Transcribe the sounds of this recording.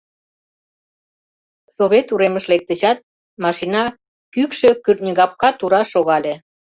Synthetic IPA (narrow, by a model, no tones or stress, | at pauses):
soβet̪uɾeməʃlek̚t̪ə̆ɕɑt̪̚ | mɑʃinɑ | kykʃø̆kyrnʲəɣɑp̚kɑt̪uɾɑʃoɣɑlʲe